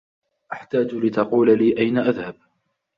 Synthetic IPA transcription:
ʔaħt̪aːd͡ʒlɪt̪ɑquːlaliːʔajnaʔaðhab̚

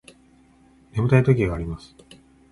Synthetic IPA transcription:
ne̞mɯ̟t̪ait̪o̞k̬ʲiɡaːɾʲimasɨ̥

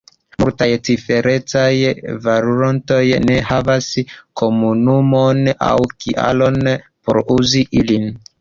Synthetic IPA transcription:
multajt͡sife̞ɾe̞t͡sajvaɾuɾonto̞jne̞havaskʰo̞munumo̞na̰wkʰiʔa̰lo̞n | poɾuziʔilin

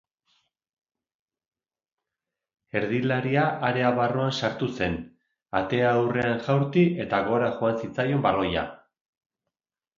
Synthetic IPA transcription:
e̞ɾðilaɾiaʔːɾe̞aβaroansaɾt̪use̞n | at̪e̞aːwre̞anʝawɾt̪iʔe̞t̪aɣo̞ɾaʝoansit͡sajo̞mbaro̞ja̰

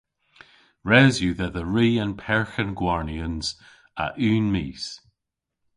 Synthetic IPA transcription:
ɹɛzjʉðəðəɹiːə̃npʰɛɹxənɡwɔɹniənz̥ | a̰ʔʉːnmiːs

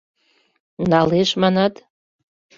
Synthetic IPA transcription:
nɑleʃmɑnɑt̪

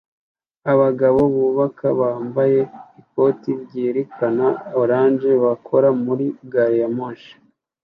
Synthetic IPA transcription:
aβaɡaβo̞βuːβakaβaːmbaje̞iko̞tibɟiːɾekʰanaoɾaːnd͡ʒe̞βakʰo̞ɾamuɾiɡaɾjamoʃḁ

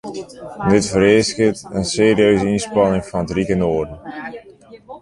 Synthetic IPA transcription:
dɪtfəɾeːskətənseːɾiøɥzəinspɑnɪŋfɔnətrikənoːrdən̩

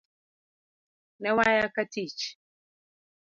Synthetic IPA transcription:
nɛwajakatit͡ʃ

